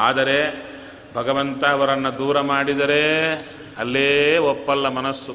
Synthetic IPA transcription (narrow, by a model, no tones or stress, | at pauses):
aːd̪ɐɾe | bʱɐɡɐʋɐnt̪ɐːʋɐɾɐnːɐd̪uːɾɐmaːɽid̪ɐɾe | ɐlːeːopːɐlːɐmɐnɐsːu